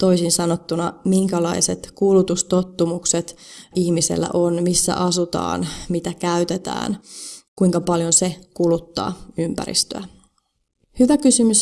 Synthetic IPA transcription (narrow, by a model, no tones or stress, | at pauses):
t̪o̞isinsɑnot̪ːunɑmiŋkælɑise̞t̪kulut̪ust̪o̞t̪ːumukset̪ihmise̞̰lːæ̰ʔonmisːæ̰ʔɑsut̪ɑ̰ːnmit̪ækæyt̪et̪æ̰ːnkuiŋkɑpɑljonse̞kulut̪ːɑ̰ːympæ̰ɾḭst̪ø̰æ | hyʋækysymys